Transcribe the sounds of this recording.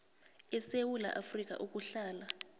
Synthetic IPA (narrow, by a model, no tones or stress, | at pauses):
ɛsewula̰ʔafrik̬ʼa̰ʔuk̬ʼuɬaːla